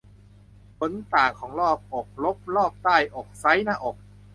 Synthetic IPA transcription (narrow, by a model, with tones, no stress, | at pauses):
bo˧˦nt̪aː˨˩ŋkʰɔː˩˦ŋɾɔː˥˩p̚ʔɔː˨˩k̚lo˦˥p̚lɔː˥˩p̚t̪aː˥˩jʔɔː˨˩k̚sa˦˥jnaː˥˩ʔoː˨˩k̚